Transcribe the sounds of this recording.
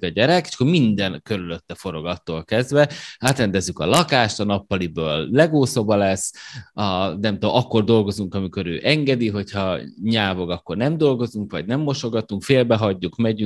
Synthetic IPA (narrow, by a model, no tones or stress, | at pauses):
ɛɟɛɾɛke̥ʃkːormind̪ɛnkø̞ɾylø̞t̪ːɛfo̞ɾo̞ɡɒt̪ːoːlkɛzd̪vɛaːt̪rɛnd̪ɛzːykɒ̰lɒkaːʃt̪ɒnɒpːɒlibøːlːɛɡoːsɒbɒlɛsːɒnɛmt̪oʔɒkːo̞rd̪o̞lɡo̞zuŋkɒmiko̞ɾø̰ːʔɛŋɡɛd̪iɦo̞chɒɲaːvo̞ɡɒkːo̞rnɛmd̪o̞lɡo̞zuŋkʋɒ̰ɟnɛmːo̞ʃo̞ɡɒt̪uŋkfeːlbɛɦɒɟːukmɛɟy